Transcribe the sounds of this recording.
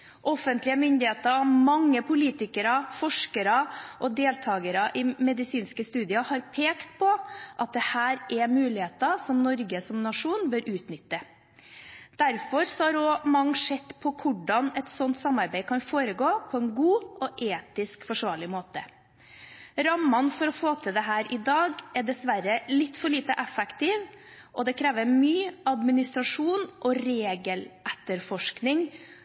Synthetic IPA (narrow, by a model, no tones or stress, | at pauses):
ʔɔfənt̪lɪəmʏnd̪ɪheːt̪ɑmɑŋːəpʰʊliːt̪ɪkəɾɑfɔʂkəɾɑʔɔd̪eːlt̪ʰɑːɡəɾɑʔɪmɛd̪ɪsiːnskəst̪ʉːd̪ɪɑhɑɾpʰeːkt̪̚pʰɔʔɑt̪̚d̪ɛhæːɾʔɛmʉːlɪheːt̪ɑsɔmnɔɾɡəsɔmnɑʂuːnbøːɾʔʉːt̪nʏt̪ːə | d̪̥æɾfɔɾsɔhɑɾɔmɑŋːʂɛt̪ːpʰɔkʰʊɖɑnɛt̪sɔnt̪sɑmːɑɾbæɪkʰɑnfoːɾəɡoːpʰɔɛnɡuːʔɔʔeːt̪ɪskfɔʂʋɑːɭɪmoːt̪ə | ɾɑmːɑnfɔɾɔfoːt̪ʰɪld̪ɛɦæːɾʔɪd̪ɑːɡɛɖɛsʋæɾəlɪt̪ːfɔɭiːt̪əʔɛfɛkt̪ɪːʋ | ʔɔd̪ɛkʰɾeːʋəɾmyːɑd̪mɪnɪst̪ɾɑʂuːnʔɔɾeːɡəlʔɛt̪ːəɾfɔʂknɪŋ